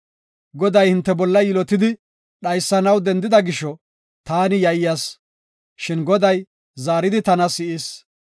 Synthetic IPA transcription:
ɡɔd̪ɐjhɪnt̪ːɛbɔlːɐjɪlɔt̪ɪd̪ɪ | ɗɐjsːɐnɐwd̪ɛnd̪ɪd̪ɐɡɪʃɔ | t̪aːnɪjɐjɪjas | ʃɪnɡɔd̪ɐj | zaːɾɪd̪ɪt̪ɐnɐsɪʔɪs

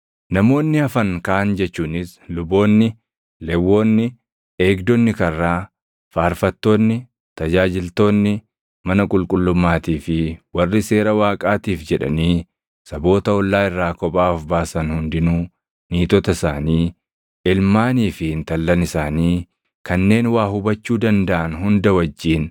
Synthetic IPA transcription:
nɐmo̞ːnːɪɐfɐŋkaːnd͡ʒɛt͡ʃːuːnɪslʊbo̞ːnːɪ | lɛwːo̞ːnːɪ | eːɡd̪ɔnːɪkɐrːaː | faːɾfɐt̪ːo̞ːnːɪ | t̪ɐd͡ʒaːd͡ʒɪlt̪o̞ːnːɪ | mɐnɐkʼʊlkʼʊlːʊmːaːt̪iːfɪwɐrːɪse̞ːɾɐwaːkʼaːt̪iːfd͡ʒɛᶑɐ̰niː | sɐbo̞ːt̪ɐɔlːaːɪrːaːkɔpʼaːfbaːsɐnhʊnd̪ɪnuː | niːt̪ɔt̪ɐɪsaːniː | ɪlmaːniːfɪhɪnt̪ɐlːɐnɪsaːniː | kɐnːe̞ːnwaːhʊbɐt͡ʃːuːd̪ɐnd̪ɐʔɐnhʊnd̪ɐwɐd͡ʒːiːn

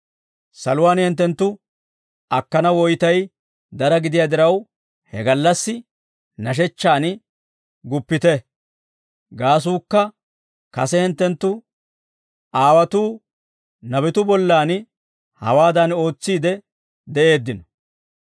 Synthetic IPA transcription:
sɐlʊwaːnhɛnt̪ːɛnt̪ːʊ | ɐkːɐnɐwɔjt̪ɐj | d̪ɐɾɐɡɪd̪ɪjaːd̪ɪɾɐw | hɛ̰ɡɐlːɐsːɪ | nɐʃ̬ɛt͡ʃːaːn | ɡʊpːɪt̪ɛ | ɡaːs̬uːkːɐ | kɐsɛhɪnt̪ːɛnt̪ːʊ | aːwɐt̪uː | nɐbɛt̪ʊbɔlːaːn | hɐ̰waːd̪ɐno̞ːt͡sːiːd̪ɛ | d̪ɛʔe̞ːd̪ːɪnɔ

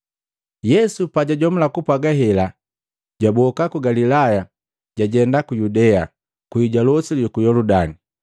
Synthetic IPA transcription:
jɛsupaɟaɟɔm̩lakupwaɡaɦɛla | ɟabɔkakuɡalilaja | ɟ̥aɟɛndakujudɛa | kwiɟalɔsilikujɔludani

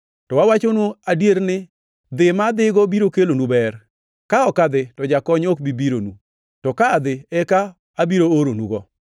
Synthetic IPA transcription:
tɔwawat͡ʃonuadjeɾnɪ | d̪ɪmad̪ɪɡɔbiɾokelonubɛɾ | kaɔkad̪ɪtɔd͡ʒakɔɲok̚bibiɾonu | tɔkaːd̪ɪɛkaː | biɾooɾonuɡɔ

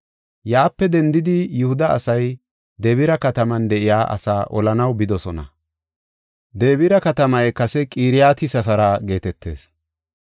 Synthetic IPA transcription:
jaːpːɛd̪ɛnd̪ɪd̪ɪjʊhʊd̪ɐɐ̰sɐj | d̪e̞ːbɪɾɐkɐt̪ɐmɐnd̪ɛʔɪjaːʔɐ̰saːʔɔlɐnɐwbɪd̪ɔsɔnɐ̰ | d̪e̞ːbɪɾɐkɐt̪ɐmɐjkɐsɛkʼiːɾɪjaːt̪ɪsɐfɐɾɐɡe̞ːt̪ɛt̪ːe̞̰ːs

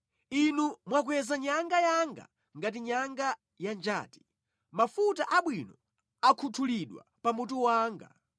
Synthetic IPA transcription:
inumwak̬uɛzaɲaŋɡajaŋɡa̰ | ŋɡatiɲaŋɡa | jand͡ʒa̰ːti̥ | mafutaʔaɓwinɔ | akʰutʰuliɗwa̰pamut̬uwaːŋɡa̰

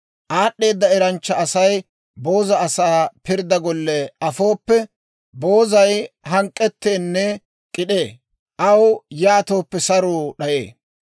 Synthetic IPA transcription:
ʔaːɗːe̞ːd̪ːɐɛɾɐnt͡ʃːɐɐsɐj | bo̞ːzɐɐsaːpɪɾd̪ɐɡɔlːɛɐfo̞ːpːɛ | bo̞ːzɐjhɐŋkʼːɛt̪ːeːnːɛ | kʼɪɗeː | ʔɐwjaːt̪o̞ːpːɛsɐɾuːɗɐjḛː

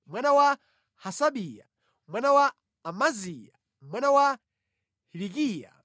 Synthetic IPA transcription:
mwanawa | hasaɓija̰ | mwanawaː | mazija̰ | mwanawa | hilikiːja̰

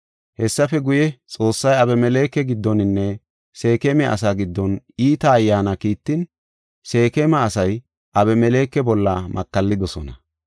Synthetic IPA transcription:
hɛsːɐfɛɡʊjɛt͡sʼo̞ːsːɐjɐbɛmɛle̞ːkːɛɡɪd̪ːɔnɪnːɛ | se̞ːkemɛʔɐ̰s̬aːɡɪd̪ːɔn | iːt̪ɐːjːaːnɐkiːt̪ːɪn | se̞ːkemɐːsɐj | ʔɐbɛmɛle̞ːkːɛbɔlːɐmɐkːɐlːɪd̪ɔsɔnɐ

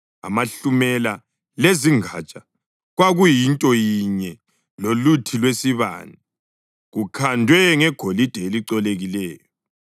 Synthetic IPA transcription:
a̰maɬumɛla | leziŋa̰t͡ʃʼa | ɣwaɣujintʼɔjiɲɛ | lolutʰilwesiβa̰ːni | ɣukʰandʱwɛŋɛɡ̥ʱolid̥ʱɛeliǀɔleɣilɛːjɔ

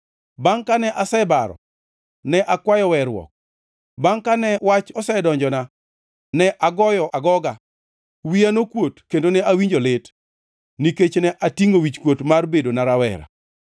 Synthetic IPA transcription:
baŋkanɛʔasɛbaɾɔ̰ | nɛʔakwajɔwɛɾwɔ̰k̚ | baŋkanɛwat͡ʃɔsɛdɔɲd͡ʒɔna | nɛʔaɡɔjɔʔaɡɔɡa | wianokwotkendonɛʔawiɲd͡ʒolɪt | niket͡ʃnɛʔatiŋowit͡ʃkwotmarbedonaɾawɛ̰ɾa̰

